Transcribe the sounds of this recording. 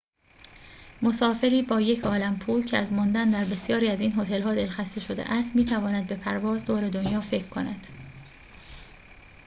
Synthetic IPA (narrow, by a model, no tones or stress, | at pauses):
mosɒːfe̞ɾiːbɒːje̞cʰɒːlæmpʰuːcʰeæzmɒnd̪ænd̪æɾbe̞sjɒːɾiːæziːnɦo̞t̪ʰe̞lɦɒːd̪e̞lxæst̪e̞ʃo̞d̪ḛʔæst̪miːt̪ʰævɒːnæd̪̚be̞pʰæɾvɒːzd̪oːɾe̞d̪onjɒːfe̞cʰɾkʰo̞næd̪̥